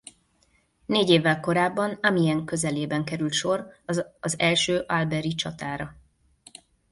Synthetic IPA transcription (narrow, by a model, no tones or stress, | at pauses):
neːɟeːvːɛlko̞ɾaːbːɒnɒmiɛŋkø̞zɛleːbɛŋkɛɾylt̪ʃo̞rɒzɛlʃøːʔalbɛɾit͡ʃɒt̪aːɾɒ